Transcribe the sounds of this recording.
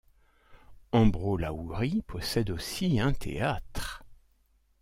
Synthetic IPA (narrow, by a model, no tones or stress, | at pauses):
ɑ̃bʁolauʁipʰɔsɛd̪osiɛ̃t̪ʰḛat̪χ